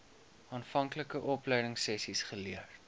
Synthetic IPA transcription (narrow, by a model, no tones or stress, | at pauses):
ɑːnfɐŋkləkəʔɔplɛjdəŋsɛsisχəliər